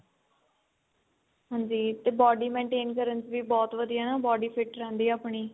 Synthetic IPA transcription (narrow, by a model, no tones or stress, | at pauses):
ɦãːɲd͡ʒiːt̪eːbɔːɖiːmẽːɳʈeːnkəɾənsʋiːbɔːt̪ʋəd̪ijaːnaːbɔːɖiːpʰɪʈɾɛ̃ːnd̪iːaːpɳiː